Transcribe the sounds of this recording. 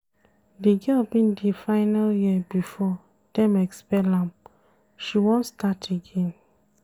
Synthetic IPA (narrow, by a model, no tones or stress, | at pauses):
diɡɛlbĩndifaɪnaljibifɔ | d̥ɛ̃mɛkspɛlãm | ʃiwɔ̃ntstatʰeɡẽn